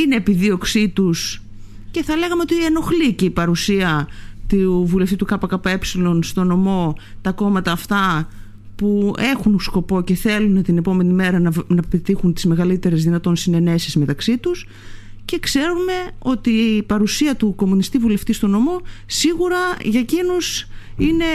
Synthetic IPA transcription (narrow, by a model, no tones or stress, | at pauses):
ine̞ːpiðio̞ksit̪us | ce̞θɐle̞ɣɐmeo̞t̪ieno̞xlice̞ipɐɾusiɐt̪uvule̞ft̪it̪ukɐpɐkɐpɐe̞psilo̞nst̪o̞no̞mo̞t̪ɐko̞mɐt̪ɐːft̪ɐ | pue̞xunsko̞po̞ce̞θe̞lunt̪ine̞po̞me̞nime̞ɾɐnɐnɐpet̪ixunt̪izme̞ɣɐlit̪e̞ɾe̞zðinɐt̪o̞nsine̞ne̞sizme̞t̪ɐksit̪us | ce̞kse̞ɾume̞o̞t̪ipɐɾusiɐt̪uko̞munist̪ivule̞ft̪ist̪o̞no̞mo̞siɣuɾɐʝɐcino̞sine̞